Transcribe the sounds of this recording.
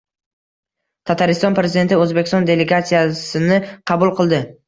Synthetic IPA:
t̪ʰat̪ʰaɾɪst̪ɒnpɾe̞zid̪ent̪ɪɵzbekʲʰːɪst̪ɒnd̪e̞le̞ɡat̪sijasɪnɪqʰɑbʊlˠqʰɨlˠd̪ɪ

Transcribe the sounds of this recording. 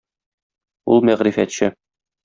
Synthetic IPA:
ulˠmæʁɾifæt̪ɕɘ

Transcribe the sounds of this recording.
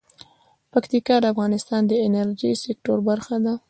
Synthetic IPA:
pakt̪ikɑd̪əafɣɑnɪst̪ɑnd̪əɪnaɾd͡ʒisɪk̚ʈoɾbaɾxad̪a

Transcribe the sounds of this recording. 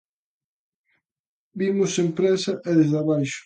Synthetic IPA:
bimʊsempɾɛsɐʔɛðezðaβajʃʊ̥

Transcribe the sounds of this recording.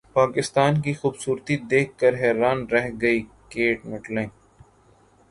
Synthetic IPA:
paːkɪst̪aːnkixuːbsuːɾt̪id̪eːkʰːəɾɦɛːɾaːnɾɛɦɡɐiː | keːʈmɪʈlẽː

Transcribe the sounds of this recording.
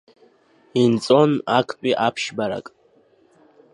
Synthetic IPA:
int͡sʼo̞nakʷʼʰt͡pʷʼiʔapʰʃbaɾa̰kʼ

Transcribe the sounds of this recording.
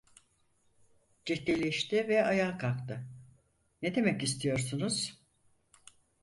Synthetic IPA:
d͡ʒit̪lelʲeʃt̪ɪvɛajaːkʰakt̪ɯ | ned̪e̞mɛcist̪ʰijo̞ɾsunuz̥

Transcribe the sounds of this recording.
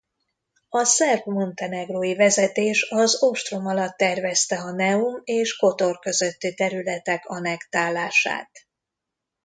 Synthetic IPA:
ɒsɛrbmo̞nt̪ɛnɛɡroːjivɛzɛt̪eːʃɒzoʃt̪romɒlɒt̪ːɛrvɛst̪ɛɒnɛumeːʃko̞t̪o̞rkø̞zø̞t̪ːit̪ɛɾylɛt̪ɛkɒnɛkt̪aːlːaːʃa̰ːt̪

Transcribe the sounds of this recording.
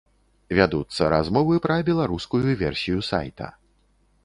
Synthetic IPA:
vʲad̪ut̪sːɐɾazmɔvɨpɾɐbʲɛlˠaɾuskujuvʲɛrsʲijusa̰jt̪ɐ̰

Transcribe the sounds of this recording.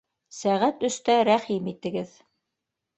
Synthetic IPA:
sæʁæt̪ɵ̆st̪æɾæχimit̪ɘ̆ɡɘð

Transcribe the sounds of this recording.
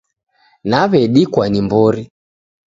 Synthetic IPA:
naβɛɗikwanimbɔɾi

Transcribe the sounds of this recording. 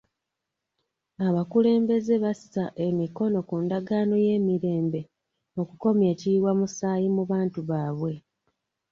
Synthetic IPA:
aβakule̞ːmbe̞ze̞βasi̥taʔe̞miko̞no̞kundaɡaːno̞je̞ːmiɾe̞ːmbe̞ | o̞kuko̞mje̞ːciwamusaːjimuβaːntuβaːβwe̞

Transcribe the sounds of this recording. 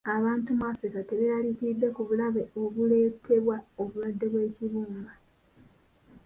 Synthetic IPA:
aβaːntumwaːfɾikate̞βealikiidːekuβulaβeo̞βule̞ːtʰe̞βwaoβuβwadːe̞βwe̞ːciβuːmba

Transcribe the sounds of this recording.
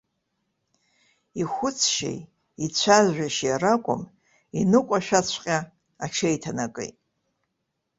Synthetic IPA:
ixʷʊt͡sʰʃḛj | it͡ɕʷʰazɥᶣaʃjarakʷʼʊ̰m | inɨkʷʼaʃᶣat͡ɕʷʰqʲʼa | aʈ͡ʂʰejtʰanakʼɨ̰jtʼ

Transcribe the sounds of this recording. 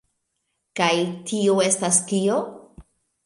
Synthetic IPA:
kajtʰioe̞stastio̞

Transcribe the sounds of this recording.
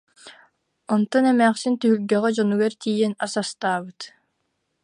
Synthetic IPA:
ɔnt̪ɔnɛmæːχsint̪yɦylɡɛʁɛd͡ʒɔnuɡɛɾt̪iːjɛnasast̪aːbɯt̪

